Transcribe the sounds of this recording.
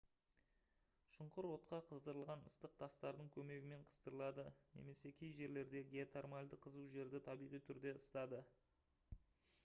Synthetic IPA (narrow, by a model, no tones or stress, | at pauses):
ʃʊɴqəɾwo̞t̪̚qɑqʰəzd̪əɾəlˠʁɑnəst̪əq̚t̪ʰɑst̪ɑɾd̪əɴkʲʰɵme̞ɡʲɪme̞ɴqʰə̥zd̪əɾəlˠɑd̪əne̞̰me̞se̞kʲʰejʒe̞ɾle̞ɾd̪e̞ɡʲeat̪ʰermalʲd̪əqʰəzuwʒe̞ɾd̪ɪt̪ʰɑbijʁijt̪ʰʏɾd̪e̞əst̪ɑd̪ə